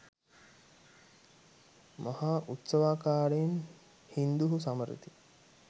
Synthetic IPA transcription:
mahaːʔut̪səʋaːkaːɾen | hind̪uɦusaməɾḭt̪i

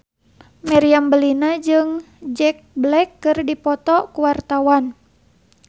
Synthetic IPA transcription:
mɛɾiambəlinad͡ʒɨŋ | d͡ʒɛk̚blɛkːɨrdipɔt̪ɔkuwart̪awan

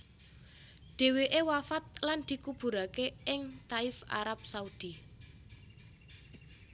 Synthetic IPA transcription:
ɖ̪̥e̤weʔewafat̪̚land̪̥i̤kub̥ṳɾakeʔɪŋt̪aɪfa̰ɾap̚saud̪̥i

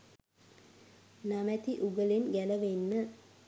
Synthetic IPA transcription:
namæt̪iʔuɡəlenɡæləʋenːə

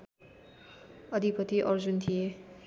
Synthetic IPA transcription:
ʌd̪ʱipʌt̪iʔʌɾd͡zunt̪ʰije

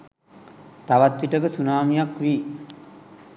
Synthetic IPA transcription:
t̪aʋat̪ʋiʈəkəsunaːmijakʋiː

